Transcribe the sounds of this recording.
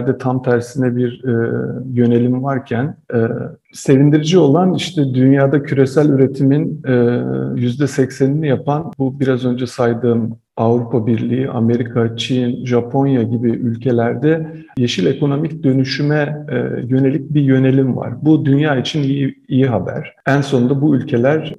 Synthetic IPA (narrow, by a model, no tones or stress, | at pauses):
ɾd̪ɛt̪ʰamt̪ʰæɾsinɛbiɾɛjø̞ne̞lʲimvaɾcʰænɛ | se̞vind̪iɾid͡ʒio̞lˠaniʃt̪ʰɛd̪ynjaːd̪acʰyɾe̞sælʲyɾe̞t̪ʰiminɛjyzd̪ɛsɛcseninijapʰanbubiɾazø̞nd͡ʒɛsajd̪ɯːm | avɾupʰabiɾlʲijiʔa̰me̞ɾikʰat͡ʃʰinʒapʰo̞njaɟibiʔylʲcʰe̞lʲæɾd̪ɛ | jeʃilʲe̞ko̞no̞micd̪ø̞nyʃymɛ̰jø̞ne̞lʲic̚bijø̞ne̞lʲimva̰ɾ̥bud̪ynjaːit͡ʃʰinijiijiɦabæ̰ɾ̥ænso̞nd̪abuylʲcʰe̞lʲæɾ̥